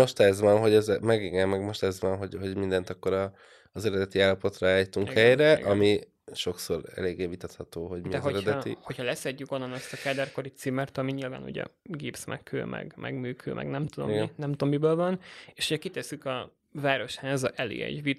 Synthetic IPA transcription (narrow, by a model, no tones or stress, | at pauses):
o̞ʃt̪ɛzvɒnɦo̞ɟɛzmɛɡiɡɛmːɛɡmo̞ʃt̪ɛzʋɒnɦoɟho̞ɟmind̪ɛnt̪ɒkːo̞ɾɒː | zɛɾɛd̪ɛt̪iaːlːɒpo̞t̪raaːjt̪uŋkhɛjɾɛʔɒmi | ʃo̞ksoɾɛ̰leːɡeːvit̪ɒt̪hɒt̪oːɦo̞ɟmiɛɦoɛɾɛd̪ɛt̪ḭho̞chɒlɛsɛɟːyko̞nːɒnɒst̪ɒkaːd̪ɛrko̞ɾit̪siːmɛrt̪ɒmiɲilva̰ːnṵɟɛ̰ɡeːpsmɛ̰kkʰø̰ːmʔɛ̰ɡmʔɛ̰ɡmyːkʰø̰ːmʔɛ̰ɡnɛmt̪ud̪omɡɛnɛmt̪omːibøːlvɒneːʃoɟɛkit̪ɛsykɒ | vaːɾo̞ʃhaːzɒʔɛlḛːɛ̰ɟvi